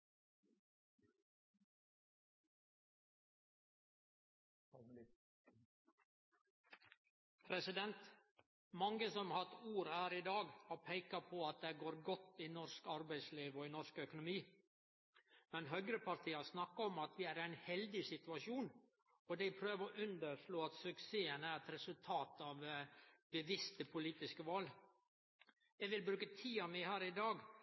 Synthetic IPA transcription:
pʰɾɛsɪd̪ɛnt̪ | mɑŋəsɔmhɑt̪uːɾhæːɾɪd̪ɑːɡhɑːɾpʰæɪkɑpʰoɑt̪̚d̪eːɡoːɾɡɔt̪ːɪnɔɾskɑɾbæɪsliːʋɔinɔskœkʊnʊmiː | mɛnɦœɡɾəpɑɾt̪ʰiːɑsnɑkːɑɔmɑt̪ʋɪæɾæɪnhɛld̪ɪsɪt̪ʉɑʂuːn | ɔd̪æɪpʰɾøːʋəɔʔʉnd̪əɾʂɭoːɑt̪sʉkseːənæɾɛt̪ɾɛsʉlt̪ʰɑːt̪ɑʋbəʋɪst̪əpʰʊliːt̪ɪskəʋɑl | ɛʋɪlbɾʉːkət̪ʰiːɑmɛhæːɾɪd̪ɑːɡ

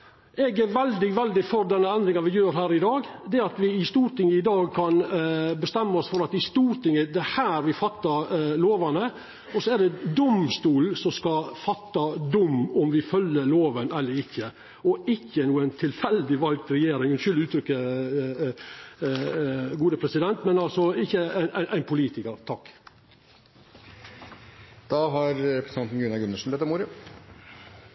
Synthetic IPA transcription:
ɛɡʋɛld̪ɪʋɛld̪ɪfɔɾd̪ɛnːəɛnd̪ɾɪŋɑʋɪjøːɾɦæːɾɪd̪ɑːɡd̪ɛɑt̪ʋɪɪst̪uːɾʈ̪ʰɪŋːəɪd̪ɑːɡkʰɑnbəst̪ɛmːəɔsfɔɾɑt̪ɪst̪uːɾʈ̪ɪŋːəd̪ɛhæːɾʋɪfɑt̪ːɑɾloːʋɑnə | ɔsɔæɖɛd̪ʊmst̪uːlsɔmskɑfɑt̪ːɑd̪ʊmɔmʋɪfœlːəɭoːʋənɛlːəɾɪkːə | ɔɪçːənuːəænt̪ʰɪlfɛld̪ɪʋɑlɡ̚t̪ɾɛjeːɾɪŋɛnʃʏld̪ɪʉːt̪ʰɾʏkːə | ɡuːd̪əpʰɾɛsɪd̪ɛnt̪mɛnɑlsɔɪçːəæɪnʔæɪʔæ̰ɪnpʰʊliːt̪ɪkəɾt̪ʰɑkː | d̪̥ɑːɦɑɾɾɛpɾɛsɑnn̩ɡʉnɑɡʉnəʂn̩bɛːt̪ːɾmuːɾə

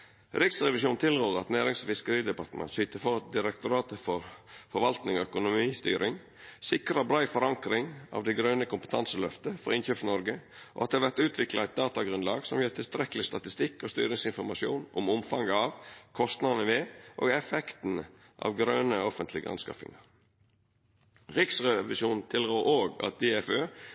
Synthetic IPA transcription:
ɾɪksʁɛʋɪsuːnt̪ʰɪljøːʁəɑt̪næːɾɪŋsfɪskəɾiːd̪ɛpɑɾt̪əmɛ̰nsʏːt̪əfɔʁɑt̪̚d̪ɪɾɛk̚t̪ʊɾɑːt̪əfɔɾfɔɾʋɑlt̪nɪŋɔœkʊnʊmiːst̪y̰ːɾʔɪŋ | sɪkɾəɑbɾɑɪfɔɾɑŋkɾɪŋɑ̰ʋd̪ɛɪɡɾœːnəkʊmpə̥t̪ʰɑnsəlœft̪əfɔ̰ɾɪnçøːpsnɔɾɡəʔɔ̰ʔɑt̪̚ɛhɑɾʋæɾt̪ʉːt̪ʰʋɪklɑæɪt̪̚d̪ɑːt̪ɑɡɾʉnlɑːɡsɔmjœːt̪ʰɪlst̪ɾɛkəlɪst̪ɑt̪ɪst̪ɪkːost̪y̰ːɾɪŋsɪnfɔɾmɑʃɪṵːnʔʊ̰ɔmʊmfɑŋɡəɑʋkʰɔst̪nɑd̪nəʋeːʔo̰ːɡɛfɛkt̪n̩ | ʔɑ̰ʋɡɾœːnəɔfənt̪ʰlɪɡə̰ʔɑ̰nskɑ̰fɪ̰ŋɑɾ | ʁɪksʁɛʋɪʃuːnn̩t̪ʰɪlɡoːɾʔoːɡɑ̰t̪̚d̪eːɛføː

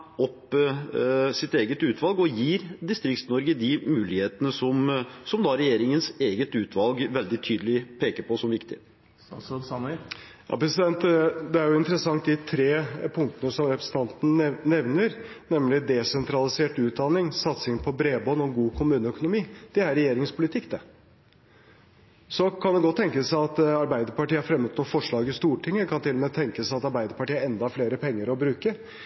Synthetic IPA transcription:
ɔp | sɪt̪eːɡət̪ʉːt̪ʰʋɑlɡɔjiːɾd̪ɪst̪ɾɪkt̪nɔɾɡəd̪ɪmʉːlɪheːt̪ənəsɔmsɔmd̪ɑɾɛjeːɾɪŋənseːɡət̪ʉːt̪ʰʋɑlɡʋɛld̪ɪt̪ʰyːd̪əlɪpʰeːkəɾpʰɔsɔmʋɪkt̪ɪə | jɑ̰pʰɾɛsɪd̪ɛnt̪d̪ɛæɾjʊɪnt̪ɾəsɑŋt̪d̪ɪt̪ʰɾeːpʰʊŋt̪ənəsɔmɾɛpɾəsə̥n̩ʰɑnt̪n̩nɛʋnəɾ | nɛmlɪd̪ɛsɛnt̪ɾɑlɪseːʈʉːt̪̚d̪ɑnɪŋsɑt̪sɪŋpʰɔbɾeːbɔnɔɡuːkʰʊmʉːnəœkʊnʊmiːd̪̥ɛæɾɛjeːɾɪŋspʰʊlɪt̪ʰɪkːd̪ɛ | sɔkʰɑnd̪ɛɡɔt̪ːɛŋkəsæɪɑt̪ɑɾbæɪd̪əɾpɑʈiːəhæɾfɾɛmːəd̪t̪nuːfɔʂɭɑːɡɪst̪uːʈʰɪŋːəkʰɑnt̪ʰɪlːɔmeːt̪ʰɛŋkəsæɪɑt̪ɑɾbæɪd̪əɾpɑʈiːəɛnd̪ɑhɑɾfleːɾəpʰɛŋːəɾɔbɾʉːkə

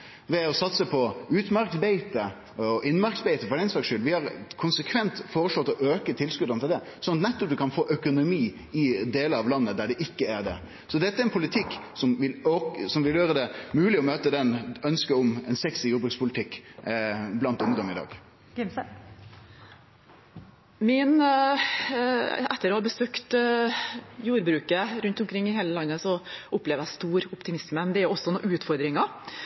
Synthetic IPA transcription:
ʋɛɔsɑt̪səpʰɔʉːt̪mɑɾksbɛɪt̪ə | ɔʔɪnmɑɾksbɛɪt̪əfɔɾɛɪnslɑːksʂʏlːʋɪhɑɾkʰʊnsəkʰʋɛnt̪foːɾəʂlɔt̪ːɔʔøːkət̪ʰɪlskʉd̪ɑnt̪ɪld̪ɛ | sɔnɑt̪nɛt̪ːɔp̚d̪ʉkʰɑnfoːʔœkʊnʊmiː | ɪd̪eːləɑʋlɑnːəd̪æɖɛʔɪkːəæɾɖ̪ɛ̰ | sɔd̪ɛt̪ːəæɾɛnpʰʊlɪt̪ʰɪkːsɔmʋɪloːksɔmʋɪljøːɾəd̪ɛmʉːlɪɔmøːt̪əd̪ɛnœnskəɔmɛnsɛksɪjuːbɾʉkspʰʊlɪt̪ʰɪkː | blɑnt̪ʊmd̪ɔməɪd̪ɑ̰ːɡ̥ | ɪm | mɪn | ɛt̪ːəɾoːhɑːbəsøːkt̪ | juːɾbɾʉːkəɾʉnt̪ʊmkʰɾɪŋːɪɦeːləlɑnːəsɔʊpːleːʋjæst̪uːɾʊpt̪ɪmɪsməd̪ɛʊɔsːɔnɔːʉːt̪fɔɾd̪ɾɪŋɑ

